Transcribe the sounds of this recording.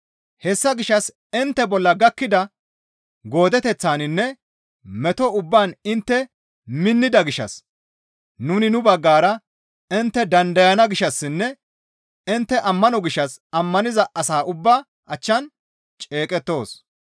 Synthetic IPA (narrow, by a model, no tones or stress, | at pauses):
hɛsːɐɡɪʃːɐs | ɪnt̪ːɛbɔlːɐɡɐkːɪd̪ɐ | ɡo̞ːd̪ɛt̪ɛt͡sːaːnɪnːɛ | mɛt̪ɔʊbːaːnɪnt̪ːɛ | mɪnːɪd̪ɐɡɪʃːɐ̰s | nʊnɪnʊbɐɡːaːɾɐ | ɪnt̪ːɛd̪ɐnd̪ɐjɐnɐɡɪʃːɐsːɪnːɛ | ɪnt̪ːɛʔɐmːɐnɔɡɪʃːɐsɐmːɐnɪzɐʔɐsaːʔʊbːɐ | ʔɐt͡ʃːɐn | t͡ʃʼe̞ːkʼɛt̪ːo̞ːs